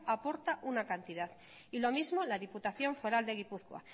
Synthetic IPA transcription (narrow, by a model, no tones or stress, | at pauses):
apo̞ɾt̪aʔunakant̪iðað | ilo̞mizmo̞laðiput̪aθjo̞ɱfeɾald̪e̞ɣipuθkwa̰